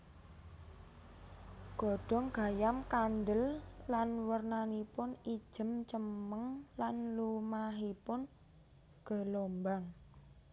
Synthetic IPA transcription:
ɡ̥ɔ̤ɖ̥ɔ̤ŋɡ̥a̤jamkandəlːanwərnanipʊni̥ʒ̥ə̤mt͡ʃəməŋlanlumaɦipʊn | ɡ̥ə̤lombaŋ

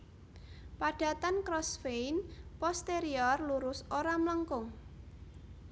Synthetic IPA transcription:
paɖ̥ä̤t̪ankɾɔsfejnpɔst̪eɾiɔrluɾʊsoɾamləŋkʊŋ

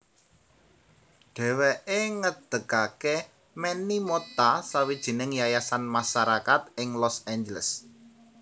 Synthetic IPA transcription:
ɖ̥ɛ̤wɛʔeŋəd̪̥ə̤kake | mɛnimot̪asawid̥ʒ̥i̤nɪŋjajasanmaʃaɾakat̪̚ɪŋlɔsɛnd͡ʒələ̰s

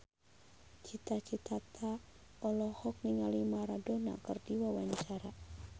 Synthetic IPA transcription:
t͡ʃit̪at͡ʃit̪at̪ʰa | ɔlɔhɔk̚niŋalimaɾadona̰kərdiwawaɲt͡ʃaɾa

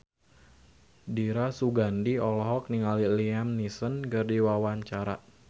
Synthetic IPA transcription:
diɾasuɡandiɔlɔɦɔk̚niŋaliliamnisənɡərdiwawaɲt͡ʃaɾa̰

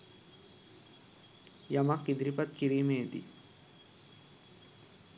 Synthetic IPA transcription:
jɐmakid̪ɾipɐt̪̚kiɾimeːd̪ḭ

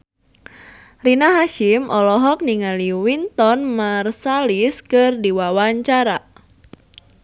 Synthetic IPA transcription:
rinaɦaʃimʔɔlɔɦɔk̚niŋaliwint̪ɔnmarsaliskɨrdiwawaɲt͡ʃaɾa

